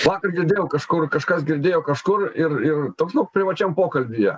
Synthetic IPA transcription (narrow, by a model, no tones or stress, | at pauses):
ʋɑːkɐrɡʲɪrʲd̪ʲejʊkɐʃkʊrkɐʃkasɡʲɪrʲd̪ʲeːjɛwkɐʂkʊrɪrɪrt̪oksʲok̚pʲɾʲɪʋɐt͡ʃʲɛmpoːkɐlʲbʲijɛ